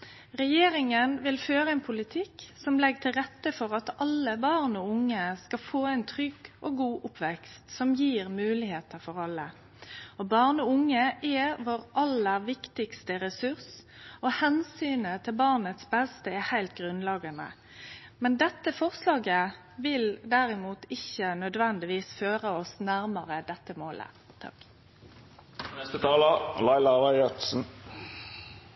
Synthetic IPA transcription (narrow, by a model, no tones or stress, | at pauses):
ʁɛjeːɾɪŋənʋɪlføːɾəɛːnpʰʊlɪt̪ʰɪksɔmlɛɡt̪ʰɪlɾɛt̪ːəfɔɾɑt̪ɑlːəbɑːʁnɔʊŋːəskɑfoːæɪnt̪ʰɾʏɡoːɡuːʔʊpʰʋɛkst̪sɔmjiːʁmʉːlɪheːt̪əfɔɾɑlːə̰ | ɔbɑːʁnɔʊŋːəʔɛʋoːɾʔɑlːəʋɪkt̪ɪkst̪əɾɛsʉʁsɔhɛnsyːnət̪ʰɪlbɑːʁnət̪sbɛst̪əɛhæɪlt̪ɡʁʉnlɑːɡənə̰ | mɛnd̪ɛt̪ːəfɔʁslɑːɡə | ʋɪld̪æɾɪmuːt̪ɪçːənœd̪ʋɛnd̪ɪʋiːsføːʁəɔsnæʁmɑʁəd̪ɛt̪ːəmoːlə̰ | t̪ʰɑ̰k | nɛst̪ət̪ʰɑːləlɑɪlɑʋɑœt̪sn̩